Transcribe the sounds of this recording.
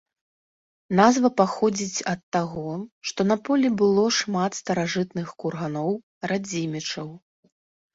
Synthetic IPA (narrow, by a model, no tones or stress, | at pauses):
nazvɐpaxɔd͡zʲit͡sʲɐt̪ːaɣɔʂt̪ɔnɐpɔlʲibɨlˠɔʂmat̪st̪ɐɾaʐɨt̪nɨxkurɣanɔw | ɾad͡zʲimʲɛt͡ʂɐw